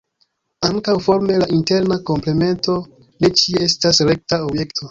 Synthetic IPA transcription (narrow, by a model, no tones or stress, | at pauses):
aŋkawfo̞ɾme̞laʔinte̞ɾnako̞mple̞me̞nto̞ | ne̞t͡ʃie̞stasɾe̞k̚taobje̞ktʰo̞